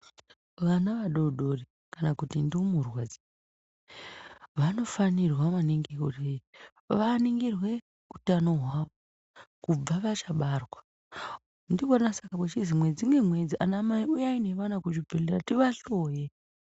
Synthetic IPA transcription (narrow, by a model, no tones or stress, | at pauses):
ʋanaʋaɗo̞ɗo̞ri | kanakutinduumurwad͡zi | ʋano̞fanirwaʋaniŋɡekore | ʋaniŋɡirwe̞ | utano̞ɦwaʋo | kub͡vaʋat͡ʃaɓarwa | ndikanasakakwet͡ʃizimwed͡ziŋemwe̞d͡ziʔanamaiujaine̞ʋanakut͡ʃibʱeleratiʋaɬo̞je